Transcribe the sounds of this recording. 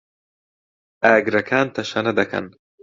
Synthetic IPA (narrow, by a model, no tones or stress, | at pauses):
aːɡɾɐkʰaːnt̪ʰɐʃɐnɐd̪ɐkʰɐ̰n